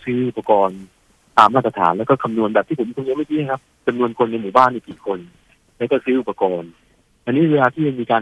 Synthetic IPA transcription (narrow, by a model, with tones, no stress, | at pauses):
sɯː˦˥ʔu˨˩pːa˧kɔː˧n | t̪aː˨˩mːaː˥˩t̪̚ɾa˧t̪ʰa̰ː˩˦nlɛː˦˥wkɔː˥˩kʰa˧mnu˧ənbɛː˨˩t̪ʰi˥˩pʰo˩˦mkʰmnu˧ma˥˩k̪ʰiː˧˥˦a˥˩kʰa˦˥p̚t͡ɕa˧mnu˧ənkʰo˧nːa˧jmuː˨˩baː˥˩nːi˥˩kiː˨˩kʰo˧n | lɛ˦˥kɔː˥˩sɯː˦˥ʔu˨˩pːa˧kɔː˧n | ʔa˧nːi˦˥weː˧laː˧t̪ʰiː˥˩ja˧ŋmiː˧kaː˧